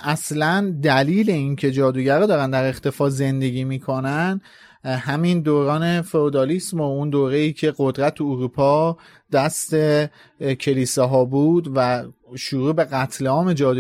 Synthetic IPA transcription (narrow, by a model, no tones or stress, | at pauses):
ʔæslænd̪æliːle̞iːncʰe̞d͡ʒɒːd̪uːɟæɾɔd̪ɒːɾænd̪æɾe̞xt̪ʰe̞fɒːze̞nd̪e̞ɟiːmiːkʰo̞næn | hæmind̪oːɾɒːne̞feod̪ɒlismound̪oːɾe̞iːcʰe̞ɡo̞d̪ɾæt̪ʰuuɾuːpʰɒː | d̪̥æst̪e̞ | cʰe̞liːseɦɒːbuːd̪væ | ʃuɾuːbe̞ɣæt̪ʰleɒːme̞d͡ʒɒːd̪u